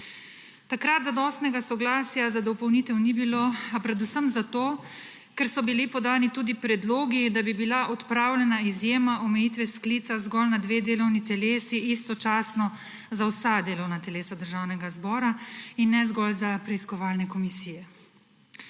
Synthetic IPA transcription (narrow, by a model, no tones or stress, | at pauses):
t̪akɾat̪zad̪ɔst̪nɛɡasɔɡlaːsjazad̪ɔpɔwnit̪ɛwnibiloːapɾɛd̪usəmzat̪oː | kɛɾsɔbilipɔd̪aːnit̪uːd̪ipɾɛd̪loːɡid̪abibilaʔɔt̪pɾaːwlʲɛnaizjeːmaʔɔmɛjiːt̪ʋɛskliːt̪sazɡɔlnad̪ʋeːd̪eːlɔwnit̪ɛleːsiʔist̪ɔt͡ʃaːsnɔ | zawsad̪eːlɔwnat̪ɛleːsad̪əɾʒaːwnɛɡazbɔːɾainːɛzɡɔlzapɾɛiskɔʋaːlnɛkɔmisiːjɛ